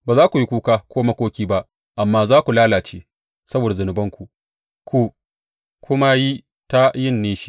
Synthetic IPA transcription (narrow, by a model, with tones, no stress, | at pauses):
baː˨zaː˦kʷu˨ji˦kʷuː˦kaː˦kʷʰoː˦ma˦kʷoː˦kʲiː˦ba˦ʔ | ʔa˨mːaː˦zaː˦kʷu˨laː˦laː˨t͡ʃeː˦ | sɐ˦boː˨da˨zʊ˨nʊ˨bɐ˦ŋkʷu˨ | kʷu˨ | kʷʰʊ˦ma˦ji˦ | ta˦jɪ˦˨nːeː˦ʃi̥˦